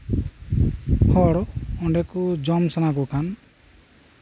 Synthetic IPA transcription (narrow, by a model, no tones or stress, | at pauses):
hɔɽɔɳɖɛkud͡ʒɔmsanak̬ukʰan